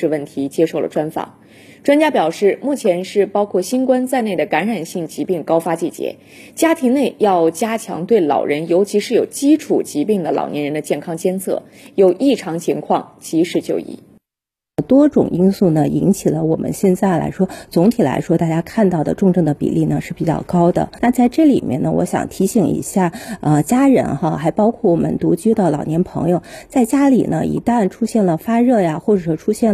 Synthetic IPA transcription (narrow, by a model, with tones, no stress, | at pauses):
ə˥˧wə˥˩nt̪ʰi˧˥t͡ɕjɛ˥ʂo˥˩ʊlə˩ʈ͡ʂwa˥nfɑ̰˨˩˦ŋ | ʈ͡ʂwa˥nt͡ɕja˥pjɑ˨˩ʊʂɻ̩˥˩mu˥˩t͡ɕʰjɛ˧˥nʂɻ̩˥˩pɑ˥ʊkʰwɔ˥˩ɕi˥nkwa˥nt͡sa˥˧ɪne˥˩ɪd̪ə˩ka˧˥nɻa˨˩nɕi˥˩ŋt͡ɕi˧˥pi˥˩ŋkɑ˥ʊfa˥t͡ɕi˥˩t͡ɕjɛ̰˧˥ | t͡ɕja˥t̪ʰi˧˥ŋne˥˩ɪjɑ˥˩ʊt͡ɕja˥t͡ɕʰjɑ̰˧˥ŋt̪we˥˩ɪlɑ̰˨˩ʊɻə˧˥njo˧˥ʊt͡ɕʰi˧˥ʂɻ̩˥˩jo˨˩ʊt͡ɕi˥ʈ͡ʂʰu˨˩t͡ɕi˧˥pi˥˩ŋd̪ə˩lɑ̰˨˩ʊnʔɛ˧˥nɻə˧˥nd̪ə˧t͡ɕjɛ˥˩nkʰɑ˥ŋt͡ɕjɛ˥nt͡sʰɤ̰˥˩ | jo˨˩ʊʔi˥˩ʈ͡ʂʰɑ˧˥ŋt͡ɕʰi˧˥ŋkʰwɑ̰˥˩ŋt͡ɕi˧˥ʂɻ̩˧˥t͡ɕjo̰˥˧ʊḭ˧˩˦ | t̪wɔ˥ʈ͡ʂʊ̰˨˩ŋi˥nsu˥˩nə˩i˧˥nt͡ɕʰi˨˩lə˦wɔ˨˩mʔə̰˧˦nɕjɛ˥˧nt͡sa˥˩ɪla̰˧˥ɪʂwɔ˥t͡sʊ˧˥ŋt̪ʰi˨˩la̰˧˥ɪʂwɔ˥t̪a˥˧˩t͡ɕja˥kʰa˥˧nt̪ɑ˥˩ʊd̪ə̰˩ʈ͡ʂʊ˥˧ŋʈ͡ʂɤ˥˩ŋd̪ə˩pḭ˨˩lʔi˥˩nə˩ʂɻ̩˥˩pi˨˩t͡ɕjɑ̰˥˩ʊkɑ˥ʊd̪ə̰˨na˥˧t͡sa˥˧ɪʈ͡ʂɤ˥˩li˨˩mjɛ˥˩nə̰˨˧wʔɔ̰˧˥ɕjɑ̰˨˩ŋt̪ʰi˧˥ɕi˨˩ŋḭ˧˥ɕja˥˩ə˧t͡ɕja˥ɻə̰˧˥nxa˥˧xa˧˥ɪpɑ˥ʊkʰwɔ˥˩wɔ˨˩mə̰˦nt̪u˧˥t͡ɕy˥d̪ə˨lɑ˨˩ʊnjɛ˧˥npʰɤ̰˧˥ŋjo˧ʊt͡sa˥˩ɪt͡ɕja˥lḭ˨˩nə̰˦ḭ˧˥t̪a˥˩nʈ͡ʂʰu˥ɕjɛ˥˩nlə˩fa˥ɻɤ˥˩ja˩xwɔ˥˩ʈ͡ʂɤ˨˩ʂwɔ˥ʈ͡ʂʰu˥ɕjɛ˥˩n